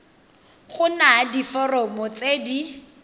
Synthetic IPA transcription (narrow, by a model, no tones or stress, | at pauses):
χʊnadifɔrɔmʊt͡seːdi